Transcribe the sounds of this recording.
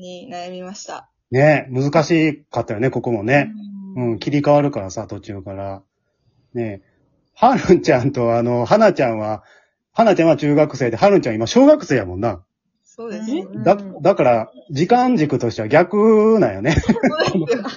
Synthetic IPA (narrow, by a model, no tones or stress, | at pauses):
imaɕt̪a | ne̞mɯ̟zɨkaɕiːkat̪ːajo̞ne̞ko̞ko̞mo̞ne̞ɯ̟̃ɴkʲiɾʲikaβaɾɯ̟kaɾasat̪o̞t͡ɕɨːkaɾa | ne̞ | haɾɯ̃ɲt͡ɕãnt̪o̞ano̞ɦanat͡ɕãɰ̃βa | hanat͡ɕãɰ̃at͡ɕɨːɡakɯ̟se̞ːd̪e̞ɦaɾɯ̟̃ɲt͡ɕãimaɕo̞ːɡakɯ̟seːjamõ̞nːa | sod̪ed̪ad̪akaɾad͡ʑikãɲ̟d͡ʑikɯ̟t̪o̞ɕit̪eβaɡʲakɯ̟najone̞kʰono